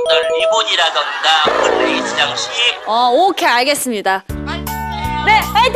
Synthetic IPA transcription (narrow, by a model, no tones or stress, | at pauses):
nʌniboɲiɾadʌnɡapɯnit͡ɕid͡ʑaŋɕʰiʌokʰeaɭɡe̞s͈ɯmɲida | ne̞ajt